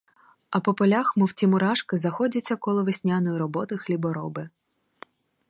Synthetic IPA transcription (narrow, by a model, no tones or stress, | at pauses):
ɐpɔpɔlʲaxmʊwtʲimʊɾɑʃkɪzɐxɔdʲɐt͡sʲːɐkɔlˠɔʋɪsʲnʲanɔjiɾɔbɔt̪ɔxlʲibɔɾɔbɪ